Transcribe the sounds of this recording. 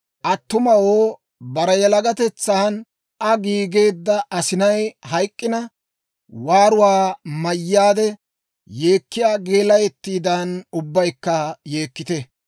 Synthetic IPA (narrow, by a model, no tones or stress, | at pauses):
ʔɐt̪ːʊmɐwoː | bɐɾɛjɛlɐɡɐt̪ɛt͡sːaːn | ʔɐɡiːɡe̞ːd̪ːɐʔɐsɪnɐjhɐjkʼːɪnɐ | waːɾʊwaːmɐjːaːd̪ɛ | je̞ːkːɪjaːɡe̞ːlɐjɛt̪ːiːd̪ɐnʊbːɐjkːɐje̞ːkːɪt̪ɛ